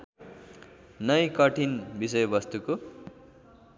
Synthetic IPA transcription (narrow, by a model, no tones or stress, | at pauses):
nʌjkʌʈʰinbisʌjobʌst̪uko